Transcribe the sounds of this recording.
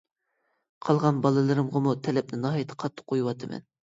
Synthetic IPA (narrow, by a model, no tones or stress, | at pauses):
qʰɑlˠʁɑnbɑlˠɨlˠɨɾɨmʁɑmut̪ʰɛlɛp̚nɪnɑɦɑjt̪ʰə̥qʰɑt̪ʰːə̥qʰːojuwɑt̪ʰɨmɛ̰n